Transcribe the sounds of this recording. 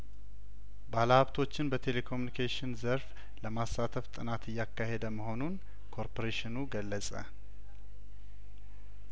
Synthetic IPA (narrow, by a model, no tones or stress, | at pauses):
baləhaβt̪ʰo̞t͡ʃːɪnbət̪ʰe̞le̞kʰo̞mjunikʰeʃɪnzəɾf | ləmasːat̪ʰəft̪ʼɨnat̪ɨjːakːaɦe̞d̪əməɦo̞nun | kʰo̞ɾpʰoɾeʃɪnuɡəlːəsʼə̰